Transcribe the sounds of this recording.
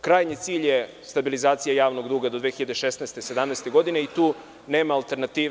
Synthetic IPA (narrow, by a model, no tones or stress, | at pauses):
kɾaːjɲit̪siːʎje | st̪abilizaːt̪sijajaːʋno̞ɡd̪uːɡad̪od̪ʋexiʎad̪eʃesnɛst̪esed̪amnɛst̪eɡo̞d̪ine̞it̪uː | ne̞ːmaːlˠt̪e̞ɾnat̪iː